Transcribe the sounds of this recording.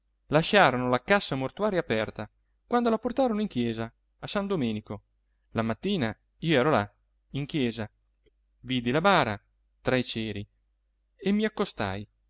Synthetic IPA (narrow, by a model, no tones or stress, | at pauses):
laʃaːɾonolakasːamort̪uaːɾjapɛrt̪a | kwand̪olaport̪aːɾonoiŋkjɛːzaː | sand̪omɛːniko | lamat̪ːiːna | iːoɛːɾola | iŋkjɛːza | viːd̪ilabaːɾa̰ | t̪ɾait͡ʃɛːɾi | emːiakːost̪a̰j